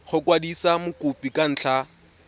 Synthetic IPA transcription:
χʊkwadisamʊkʼupikan̩ːt͡ɬʰa

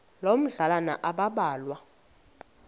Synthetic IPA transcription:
lom̩ɮalana̰ʔaɓaɓaːlwa

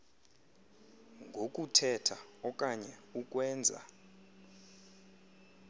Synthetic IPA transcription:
ŋɡʱokʼutʰɛtʰaɔkʼaɲɛuk̬ʼwɛːnd͡zʱa̰

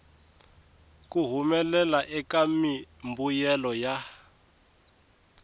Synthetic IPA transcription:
kuɦumɛlɛlaʔɛkamimbujɛlɔja

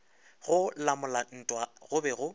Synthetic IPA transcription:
ɣʊlamʊlan̩tʼwaɣʊbɛɣʊ

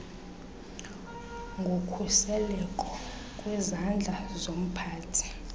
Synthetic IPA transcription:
ŋɡʱokʰusɛlɛkʼɔ | kʼwɛzand͡ɮʱazom̩pʰaːtʰi̥

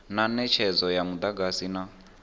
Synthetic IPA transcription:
nanɛt͡ʃʰɛd͡zɔjamud̪aɡasina

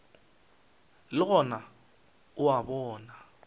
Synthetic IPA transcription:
lɪɣɔna | uwaβɔːna

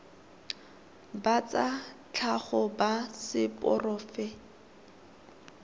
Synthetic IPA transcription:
bat͡sat͡ɬʰaχɔbasɪpʼɔ̰rɔːfɛ

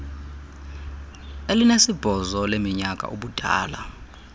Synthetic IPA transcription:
elinesib̥ʱɔzɔlemiɲakʼa̰ʔuɓud̥ʱa̰ːla

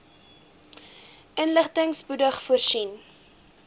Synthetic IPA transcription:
ənləχtəŋspudəχfuərsin

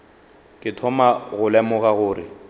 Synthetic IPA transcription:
kʼɪtʰɔmaɣʊlɛmʊɣaɣʊːrɪ̰

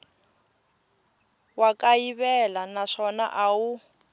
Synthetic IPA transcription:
wakaiβɛlanaʂɔna̰ʔawu

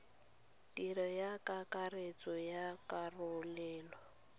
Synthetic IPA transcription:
tiɾɔjakakaret͡sɔjakarʊlɛːlɔ

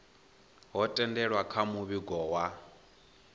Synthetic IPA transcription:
ɦɔtʼɛndɛɺwakʰamuβiɡɔwa

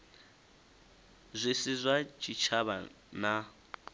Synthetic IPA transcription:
zʷisizʷat͡ʃʰʼit͡ʃʰaβa̰ | na

